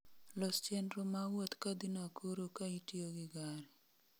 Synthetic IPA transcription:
lost͡ʃenɾomawot̪kad̪inakʰoɾokaitioɡɪɡaɾi

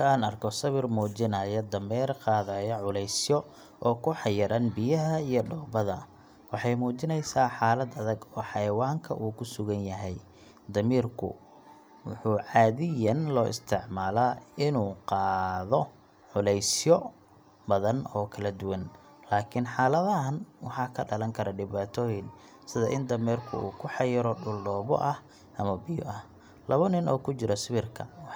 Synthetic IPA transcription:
ɐaːnɐrkʰɔsɐβɪrmuːt͡ʃɪnɐjɔd̪ɐmɛːrqɑːðɐjɐʕʊlɛjsjɔ | ʔɔːkʰʊħɑjɐɾɐnbɪjɐɦɐijɔɖɔːbɐðɐ | wɑħɑjmuːt͡ʃɪnɛjsaːħaːlɐd̪ɐðɐɡɔːħɑjɐwaːŋkʰɐ̰ʔuːkʰʊsʊɣɐnjɐɦɛj | d̪ɐmiːrkʰʊ̰ | wʊ̰ħʊːʕɑːðɪjɐnlɔːʔɪ̰st̪ʰɪʕmaːlaɪnuːqɑːðɔ | ʕʊlɛjsjɔ | bɐðɐnɔːkʰɐlɐd̪ʊwɐn | laːkʰɪnħɑːlɐðɐɦɐnwɑħɑːkʰɐɖɐlɐŋkʰɐɾɐɖɪβaːt̪ʰɔːjɪn | sɪðɐʔɪnd̪ɐmiːrkʰʊ̰ṵːkʰʊħɑjɪɾɔɖʊlːɔːβɔ̰ʔɐh | ʔɐmɐbɪjɔ̰ʔɐh | lɐβɐnɪnɔːkʰʊt͡ʃɪɾɔsɪβɪrkʰɐw

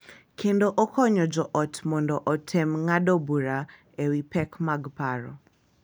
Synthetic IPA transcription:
kʰendoʔɔkʰɔɲɔd͡ʒɔʔɔtmɔndɔʔɔtʰɛmŋadɔbuɾa | ewipɛkmaɡpaɾɔ̰

